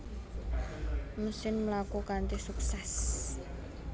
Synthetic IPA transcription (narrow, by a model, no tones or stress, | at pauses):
məsɪnməlakukant̪ɪsuksɛs